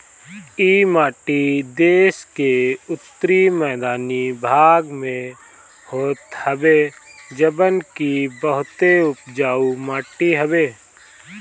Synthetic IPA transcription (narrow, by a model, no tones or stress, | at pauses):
iːmaːʈid̪eːʃkeʊt̪ːɾimɛːd̪aːnibʱaːɡmẽ | hoːt̪həbeːd͡ʒəbənkibəɦʊt̪eʊpd͡ʒaːumaːʈiɦəbeː